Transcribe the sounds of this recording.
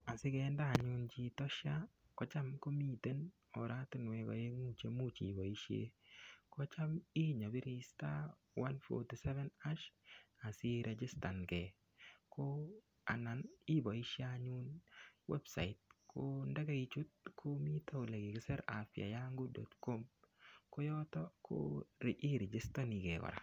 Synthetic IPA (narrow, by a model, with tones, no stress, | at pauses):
a˨sɪ˦kɛ˨ndaː˦˨ɲu˦nt͡ʃi˨tɔ˦ʃa˦ | kɔ˦t͡ʃa˦mko˦mi˦te˦n | ɔ˨ɾa˦tɪ˦nwɛ˨kɔ̰˨je˦mu˦t͡ʃe˦mu˦t͡ʃi˨bɔ˨i˦ʃḛ˦kɔ˦t͡ʃa˦mi˦ɲɔ˨bɪ˦ɾi˦sta˦ | wa˦nfɔ̰ti˨sɛ˦vɛ˦na˦ʃa˨sɪ˦ɾʔɛ˨d͡ʒɪ˦sta˨nkɛ˨ | kʰo | a̰˨na˨ni˦bɔ˨i˦ʃi˦aɲu˦nwʔɛ̰˦bsa̰˨it̚kʰo˦nda˦ɡa˦i˦t͡ʃu˦t̚kʰo˦mi˦tʰa˦˨le˨ɡi˨kɪ˦sɛ˦ɾa˨fia̰˨jaŋɡu˦dɔ̰tkɔ˦mko˦jɔ˦tɔ˦kʰo̰ɾɛi˦ɾɛ˨d͡ʒɪ˦sta˦ni˨ɡɛ˨kɔ̰˨ɾa̰˨